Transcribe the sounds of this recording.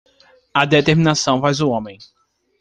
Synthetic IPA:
ad̪et̪eɾmĩnasɐ̃w̃vajzʊõmẽj̃

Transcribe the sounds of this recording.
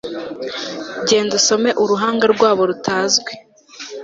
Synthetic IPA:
ɟe̞ːnduso̞me̞ʔuɾuɦaːŋɡaɾɡwaːβo̞ɾutʰaːzɡwe

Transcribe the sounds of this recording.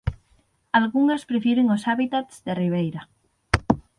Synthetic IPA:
alɣuŋespɾefjeɾeŋosaβit̪at̪sðeriβ̞ejɾa

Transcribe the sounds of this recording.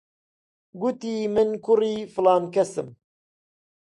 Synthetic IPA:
ɡut̪iːmɨnkʰʊriːfɨlɑːnkɛsɨ̰m

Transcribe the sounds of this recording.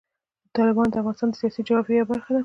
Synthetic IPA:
t̪ɑlɪbɑnod̪əafɣɑnɪst̪ɑnd̪əsijɑsid͡ʒawbejawbaɾxad̪a

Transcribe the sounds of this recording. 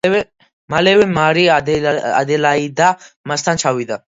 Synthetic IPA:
malɛvɛmaɾiaa̰d̪ɛlaid̪a | mast̪ʰant͡ʃʰawid̪a

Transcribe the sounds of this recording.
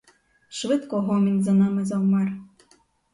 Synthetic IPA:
ʃʋɪt̪kɔɦɔmʲinʲzanɑmɨzɐwmɑr

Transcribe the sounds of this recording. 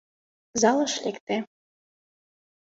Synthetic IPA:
zɑlˠɤ̆ʃlʲekt̪ĕ

